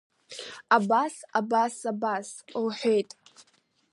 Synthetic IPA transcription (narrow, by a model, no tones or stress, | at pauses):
abasabasabasowħʷejtʼ